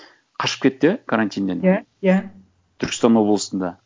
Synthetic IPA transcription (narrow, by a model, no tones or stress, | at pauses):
qʰɑʃə̥p̚kʲe̞t̪ːɪkʰaɾant̪ʲijnd̪ena | ja | t̪ʰʏɾkʲɪ̥st̪ɑnwo̞blˠəsənd̪ɑ